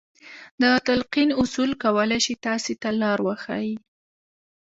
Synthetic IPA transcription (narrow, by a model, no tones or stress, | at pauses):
d̪ət̪alqinʊsulkawəlajʃit̪ɑset̪alɑɾwəxa̰ji